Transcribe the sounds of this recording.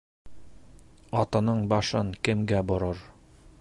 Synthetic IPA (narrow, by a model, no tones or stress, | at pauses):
ɑt̪ɤ̆nɤɴbɑʃɤɴkɘ̆mɡæbŏɾɤɾ